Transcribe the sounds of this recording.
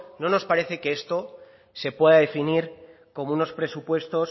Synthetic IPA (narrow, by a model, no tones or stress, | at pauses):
no̞no̞spaɾe̞θe̞keest̪o̞ | se̞pwe̞ðaðe̞finiɾ | ko̞mouno̞spɾe̞supwe̞st̪o̞s